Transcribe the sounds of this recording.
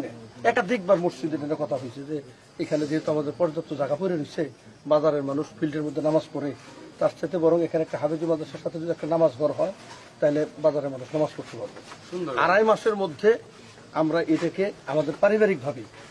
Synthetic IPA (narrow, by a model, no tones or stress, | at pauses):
neɛkad̪ik̚baɾmosid̪ekʰanekɔt̪ʰaɦojt͡ɕʰed͡ʑe | ekʰaned̪iɦet̪oamad̪eɾpɔɾd͡ʑat̪ːod͡ʑaɡapojɾenisʰe | bad͡ʑaɾeɾmanuʃfʰilʈeɾmod̪ʱːenamad͡ʑkoɾet̪aɾt͡ɕʰat̪̬ebɔɾoŋekʰaneɛk̚ʈaɦabed͡ʑumːad̪aʃaɾʃat̪ʰed͡ʑuɛk̚ʈanamad͡ʑɡʱɔɾɦɔe | t̪aɦilebad͡ʑaɾeɾmanuʃnamaskoɾt̪ʰebʱabeuna̰ɾajmaʃeɾmod̪ʱːe | amɾaʔeʈakeamad̪eɾpaɾibaɾik̚bʱabi